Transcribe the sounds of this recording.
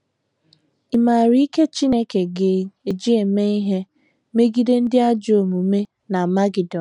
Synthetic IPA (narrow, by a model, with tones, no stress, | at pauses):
ɪ˨ma˨ɾi˦i˦ke˦t͡ʃi˦ne˦ke˨ɡe˨e˨d͡ʒi˦e˨me˦i˦ɦe˦ | me˦ɡi˦de˦n̩˦dɪ˦a˦d͡ʒo˨mu˨˦me˦ | na˨ma˦ɡi˨dɔ˨